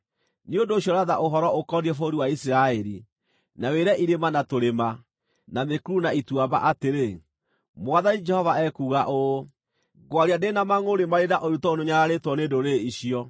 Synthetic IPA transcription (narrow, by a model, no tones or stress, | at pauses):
niondoːɕjɔɾaðaʔoɦɔɾɔokɔdiɛfoɾiwaisiɾaɛɾi | naweɾɛʔiɾemanatoɾema | namekuɾunaitwaba̰ʔateɾe | mwaðanid͡ʒɛhɔvaɛkuːɣaʔo | ɡwaɾiandenamaŋoɾemaɾedaʔoɾutɔonoɲaɾaɾetwɔnedoɾeiɕiɔ